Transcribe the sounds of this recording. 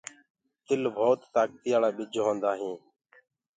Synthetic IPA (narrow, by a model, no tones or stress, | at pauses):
t̪ɪlbʱoːt̪ːaːk̚t̪ɪjaːɭaːɓɪd͡ʒʱɦõːnd̪aːɦĩː